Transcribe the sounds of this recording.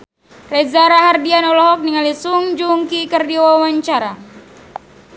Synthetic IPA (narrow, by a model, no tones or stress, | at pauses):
rezaɾaɦardianɔlɔɦɔk̚niŋalisuŋd͡ʒuŋkikərdiwawaɲt͡ʃaɾa